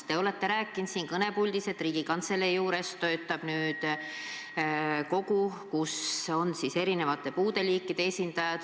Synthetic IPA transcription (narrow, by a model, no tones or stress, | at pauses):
t̪e̞o̞le̞t̪ːe̞ɾæːkˑːint̪siːŋkɤne̞pulʲd̪ise̞t̪ːˑriːɡ̥ikɑnt̪se̞lejuːɾe̞st̪o̞et̪ːˑɑb̥nyːd̪̥ | ko̞ɡukuso̞nsise̞ɾine̞vɑt̪ːˑe̞puːd̪̥e̞liːkːˑid̪e̞esʲind̪̥ɑjɑd̪̥